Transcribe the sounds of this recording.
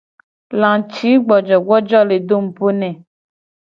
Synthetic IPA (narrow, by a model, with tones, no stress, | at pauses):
lã˨t͡ʃi˨˦ɡ͡bɔ˨d͡ʒɔ˨ɡ͡bɔ˦d͡ʒɔ˦le˨do˦m̩˨po˦nɛ̃˨